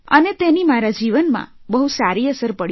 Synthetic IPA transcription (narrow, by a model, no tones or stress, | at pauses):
ə̰net̪enimaɾad͡ʒiʋənmã̰bəɦusaɾiəsəɾpəɽ